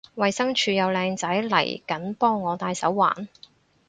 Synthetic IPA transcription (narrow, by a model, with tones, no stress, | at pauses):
wɐ˨jsɐ˥ŋt͡ʃʰyː˧jɐ˨˧wlɛː˧ŋt͡sɐ˨˥jlɐ̰˨˩jkɐ˨˥npɔː˥ŋːɔː˨˧t̪aː˧jsɐ˨˥wːa̰ː˨˩n